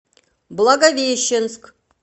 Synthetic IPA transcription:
blˠɐɡɐvʲeɕːɪnsk

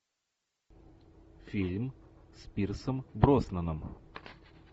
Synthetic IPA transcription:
fʲilʲmspʲirsəmbɾosnənəm

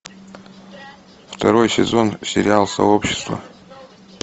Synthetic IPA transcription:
ft̪ʰɐɾo̞jsʲɪzo̞nsʲɪɾʲɪalˠsɐ̰opɕːɪ̥st̪vɐ̰

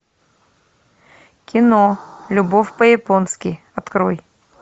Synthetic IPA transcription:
kʲɪnolʲʊbofʲpəjɪponskʲɪ | ɐt̪kɾoj

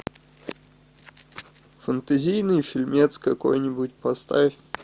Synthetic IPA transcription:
fənt̪ɐzʲijnɨjfʲɪlʲmʲet̪skɐko̞̰jnʲɪbutʲpɐst̪afʲ

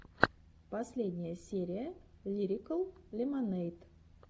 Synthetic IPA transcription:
pɐsʲlʲedʲnʲɪjəsʲeɾʲɪjəlʲiɾʲɪkəlˠlʲɪmɐnɛjt̪

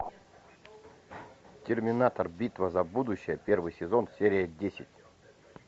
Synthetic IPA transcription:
tʲɪrmʲɪnat̪ərbʲit̪vəzɐbud̪ʊɕːɪjəpʲe̞rvɨjsʲɪzo̞nsʲeɾʲɪjədʲesʲɪtʲ

